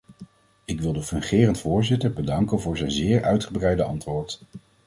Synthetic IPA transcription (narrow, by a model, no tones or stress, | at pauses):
ɪkʋɪlˠdəfɵŋχɪːrəntfʊːɹzɪtəɹbədɑŋkənvʊːɹzɛjnzɪːɹœ̰ɥtχəbrɛjdəɑ̰ntʋʊːɹt